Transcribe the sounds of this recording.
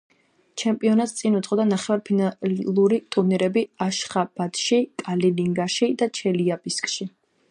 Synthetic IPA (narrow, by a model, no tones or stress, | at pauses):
t͡ʃʰɛmpʼiɔnat̪st̪sʼinut̪sʼχʼɔd̪anaχɛvaɾpʰinalˠuɾit̪ʼuɾniɾɛbiaʃχab̥at̪ʃikʼaliliŋɡaʃid̪at͡ʃʰɛliabiskʼʃi